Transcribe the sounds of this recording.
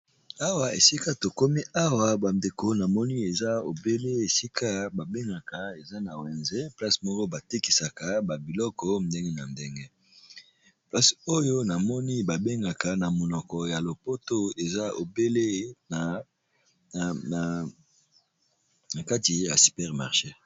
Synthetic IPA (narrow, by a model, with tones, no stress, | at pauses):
a˦wa˨ḛ˨si˦ka˦to˨ko˦mi˦a˦wa˨ba˨nde˨ko˨na˨mɔ˦ni˦e˨za˦o˨be˦le˦e˨si˦kʰa˦ba˨be˦ŋɡa˨ka˨e˨za˦na˨wɛ˨nze˦pla˦smɔ˦kɔ˦ba˨ti˦ki̥˨sa˨ka˦ba˨bi˨lɔ˦kɔ˦nde˦ŋɡe˦na˨nde˦ŋɡe˦ | pla˦so˦jo˦na˨mɔ˦ni˦ba˨be˦ŋɡa˨ka˨na˨mo˨nɔ˨kɔ˨ja˨lo˨po˦to˦e˨za˦o˨be˦le˦n˨ | na˨ka˦ti˨ja̰˨si̥˨pɛ˦ʁma̰˨ʁʃe˦